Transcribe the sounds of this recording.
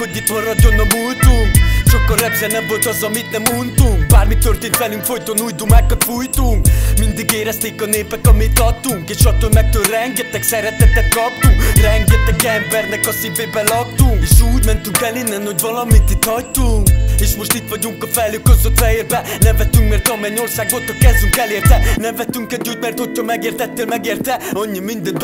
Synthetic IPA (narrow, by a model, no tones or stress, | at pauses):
kod̪it̪mɔrɔd̪onɔmujt̪uʃokorɛt̪ʒɛnɐbot̪ɔzɔmit̪nɐmunt̪ubaɾmit̪oɾt̪ifɛliŋfojt̪onujd̪umakɔt̪fujt̪umind̪ɨɡeɾɐst̪ikɔnepɐkɔmit̪ɔt̪ukeʃɔt̪omɛk̚t̪oɾɛŋɡɛt̪ɐksɛɾɛt̪ɛt̪ɐkɔt̪urɛŋɡɛt̪ɛkɛmbɛɾnɛkɔsibepɛlɔt̪ːuŋeʃuːd̪mɛnt̪uŋkɛlinːɛnoɟ̪vɔlɔmit̪it̪ɔjt̪ueʃmoʃt̪it̪vɔɟuŋkɔfɛløkozot̪fɛeɾpɛnɛ̃vɛt̪ːyŋkmɛɾt̪ɔmɛɲoɾsakvot̪ɔkɛzyŋkɛleːɾt̪ɛnɛ̃mvɛt̪ːyŋkɛd̪ut̪mɛɾt̪ot̪omɛɡeːɾt̪ɛt̪ːelmɛɡeɾt̪ɛoɲəmind̪əd̪